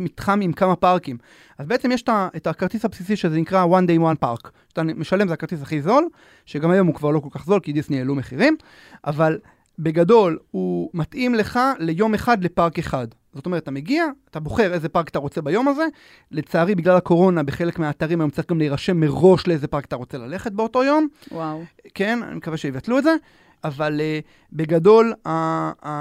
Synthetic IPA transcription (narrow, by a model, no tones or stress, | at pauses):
mit̪χamimkamapaʁkim | azbeet͡semjeʃtaʔetakaʁt̪isapsis̬iʃezenikʁawand̪ejwanpa̰ʁkʃatame̞ʃalemzeakaʁt̪isaχizo̞l | ʃeɡamajo̞mhukvaʁlo̞kolkaχzo̞lkidisnieelume̞χiʁim | ʔaval | be̞ɡado̞lumat̪ʔimle̞χale̞jo̞meχad̪le̞paʁke̞χad | zotometat̪ame̞ɡiaːt̪abo̞χe̞ʁeze̞paʁkat̪aʁo̞t͡sebajo̞maze̞ | le̞t͡saːʁibiɡlalako̞ʁo̞nabeχe̞lekmeaːt̪aʁimajomt͡saʁiɡamleiʁaʃe̞mːe̞ʁo̞ʃleezepaʁkḁt̪aʁo̞t͡se̞lale̞χe̞t̪̚beo̞to̞jo̞mwawke̞na̰nḭmekaveʃeivatluetze̞ | avale | be̞ɡado̞la